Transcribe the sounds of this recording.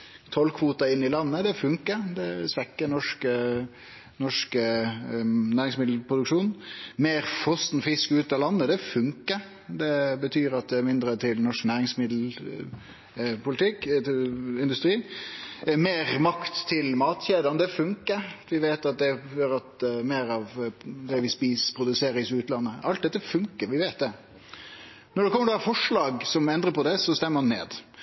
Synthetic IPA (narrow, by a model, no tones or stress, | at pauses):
t̪ʰɔlkʰʋuːt̪ɑɪnːɪlɑnːəd̪ɛfʉŋkəd̪ɛsʋɛkːənɔʂkə | nɔʂkə | næːɾɪŋsmɪd̪l̩pʰɾʊd̪ʉkʂuːnmeːɾfɔst̪n̩fɪskʉːt̪ɑlɑnːəd̪ɛfʉŋkəɾ | d̪ɛbət̪ʰyːɾɑt̪̚d̪ɛæɾmɪnd̪ɾət̪ʰɪlnɔʂknæːɾɪŋsmɪd̪l̩ | pʰʊlɪt̪ʰɪk | ɪnd̪ʉst̪ɾiː | meːɾmɑkt̪ʰːɪlmɑːt̪çeːd̪ənəd̪ɛfʉŋkəɾʋɪʋeːt̪ɑt̪̚d̪ɛjøɾɑt̪meːɾɑːʋd̪ɛʋɪspiːspʰɾʊd̪ʉseːɾɪsʉːt̪lɑnːəʔɑlt̪̚d̪ɛt̪ːəfʉŋkəɾʋɪʋeːt̪̚d̪ɛ | nɔɖɛkʰɔmːəɾd̪ɑfɔʂɭɑːɡsɔmɛnd̪ɾəpʰɔd̪ɛsɔst̪ɛmːəɾmɑnːḛːd̪